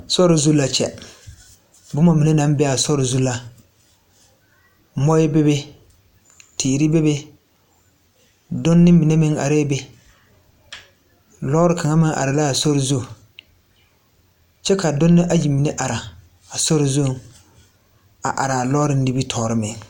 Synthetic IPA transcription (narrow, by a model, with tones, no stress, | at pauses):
sɔ˦ɾɪ˨zu˦la˨t͡ʃɛ̰˨ | bʊ˦ma˦mi˨ne˦na˦m˦bɛ˦a˨sɔ˦ɾɪ˨zu˦la˦ | mɔ˦jɪ˦be˦be˦ | tʰiː˨ɾi˦be˦be˦ | dʊ˦nːɪ˦mi˨ne˦mɪ˦ŋa̰˨ɾe˦be˦ | lɔː˦ɾɪ˦ka˨ŋa˦mɪ˦ŋʔa̰˨ɾɪ˨la˦˨sɔ˦ɾɪ˨zu˦˨ | t͡ʃɛ˦ka˨dʊ˦nːɪ˦ʔa˦ji˨mi˨ne˦ʔa˨ɾa˨ | a˨sɔ˦ɾɪ˨zu˦˨ | a̰˨ʔa˨ɾa˨a˨lɔ˦ɾɪ˦ni˦bi˦tʰɔː˨ɾɪ˦mɪ˨ŋ